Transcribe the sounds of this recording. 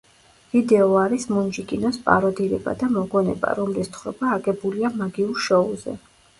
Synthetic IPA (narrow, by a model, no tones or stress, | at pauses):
vid̪ɛɔaɾismund͡ʒikʼinɔspʼa̰ɾɔd̪iɾɛba̰d̪amɔɡɔnɛ̰ba̰ɾɔmlist̪ʰχɾɔbaːɡʼɛbuliamaɡiuɾʃɔuzɛ̰